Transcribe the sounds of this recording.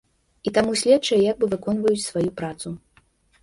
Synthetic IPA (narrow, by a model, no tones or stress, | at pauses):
it̪amusʲlʲɛtt͡ʂɐjɛjaɡ̚bɨvɨkɔnvɐjut͡sʲsvajupɾat̪su